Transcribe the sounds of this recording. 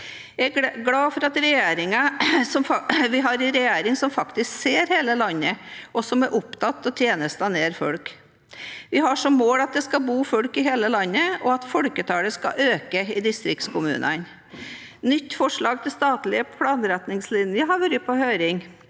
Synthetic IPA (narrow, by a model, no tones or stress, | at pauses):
jæɡɽɑːfɔɾɑt̪ɾɛjeːɾɪŋɑsɔmʋɪɦɑɾɪɾɛjeːɾɪŋsɔmfɑkt̪ɪskseːɾheːləlɑnːəʔɔsɔmæɾʔʊpt̪ʰɑt̪ːɔt̪ʰjeːnəst̪ɑneːɾfɔɽk | ʋɪɦɑʂɔmːoːlɑt̪̚d̪ɛskɑbuːfɔɽkɪɦeːləlɑnːəɔɑt̪fɔɽkət̪ʰɑːləskɑ̰ʔøːkəɪd̪ɪst̪ɾɪk̚t̪skʰʊmʉ̰ːnən | nʏt̪ːfɔʂɭɑːɡ̚t̪ʰɪst̪ɑːt̪lɪəpʰlɑːnɾæt̪nɪŋslɪnjəɦɑɾʋɔɾɪpʰɔhøːɾɪŋ